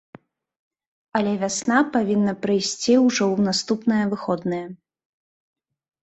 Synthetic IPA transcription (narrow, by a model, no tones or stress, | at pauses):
ɐlʲɛvʲasnapavʲinːɐpɾɨjsʲt͡sʲiwʐɔwnast̪upnɐjɐvɨxɔd̪nɐjɐ